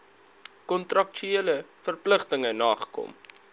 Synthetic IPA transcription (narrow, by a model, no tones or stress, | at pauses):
kɔntrɐk̚t͡ʃyeələfərpləχtəŋənɑːχə̥kɔ̰m